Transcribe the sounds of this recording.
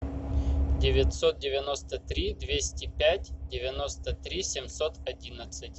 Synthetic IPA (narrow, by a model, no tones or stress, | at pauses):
dʲɪvʲɪt̪ʲsot̪̚dʲɪvʲɪnost̪ət̪ɾʲid̪vʲesʲtʲɪpʲætʲdʲɪvʲɪno̞st̪ət̪ɾʲisʲɪmsot̪ɐdʲinət̪sɨtʲ